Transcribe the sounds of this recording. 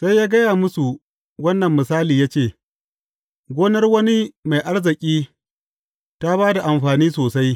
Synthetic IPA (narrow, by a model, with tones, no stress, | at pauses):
sa˦jːaː˦ɡɐ˦jaː˨mʊ˦su˨ | wɐ˦nːɐ˨mːɪ˨saː˦liː˨jaː˦t͡ʃeː˦˨ | ɡʷoː˦nɐ˦rwɐ˦ni˦ma˨jʔa˦ɽzɪ˨kʲʼiː˦ | ta˦baː˦da˨ʔa˨mɸaː˨niː˦soː˨sa˦j